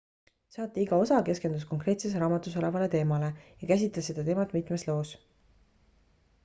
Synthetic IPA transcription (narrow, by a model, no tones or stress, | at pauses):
sɑːt̪ːˑiiɡɑo̞sɑke̞ske̞nd̪̥usko̞ŋkrɾe̞ːt̪se̞s̬eɾɑːmɑt̪ːˑuso̞levɑle̞t̪e̞ːmɑle̞jɑkæs̬ʲit̪lɑsːe̞d̪̥ɑt̪e̞ːmɑt̪ːˑmit̪ˑmeslo̞ːs